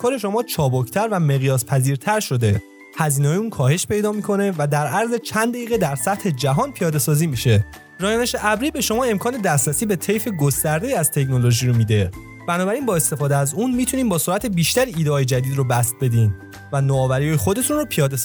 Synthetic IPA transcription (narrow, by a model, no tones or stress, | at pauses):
kʰɒːɾeʃomɒːt͡ʃʰɒːbocʰt̪ʰæɾvæme̞ɣjɒːspʰæziːɾt̪ʰæɾʃo̞d̪e̞ | hæziːneɒjuːnkʰɒːhe̞ʃpe̞jd̪ɒːmiːkʰo̞ne̞væd̪æɾʔæɾze̞t͡ʃʰænd̪æiːɣed̪æɾsæt̪he̞d͡ʒæɦɒːnpʰijɒːd̪e̞sɒːziːmiʃe̞ | ɾɒːjɒːneʃeʔæbɾiːbe̞ʃo̞mɒːe̞mkʰɒːne̞d̪æst̪ɾæsiːbe̞t̪ʰe̞jfe̞ɡost̪æɾd̪e̞iːæzt̪ʰe̞cno̞loʒiːɾomiːd̪e̞ | b̥ænɒːbæɾiːnbɒːe̞st̪e̞fɒːd̪eæzuːnmit̪ʰuniːmbɒːsoɾæt̪ʰebiːʃt̪æɾiiːd̪eɒːjed͡ʒæd̪iːd̪ɾobæst̪̚be̞d̪iːn | vænoɒːvæɾijɒːjexo̞d̪et̪ʰunɾropʰijɒːd̪es